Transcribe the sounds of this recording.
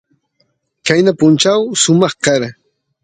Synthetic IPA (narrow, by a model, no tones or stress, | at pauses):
kajnapʊnt͡ʃawʃʊmɑχkaɾa